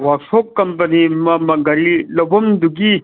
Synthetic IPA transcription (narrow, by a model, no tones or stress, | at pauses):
waksokːɐmpɐnimɐmɐɡɐɾilɐbɐmd̪uɡi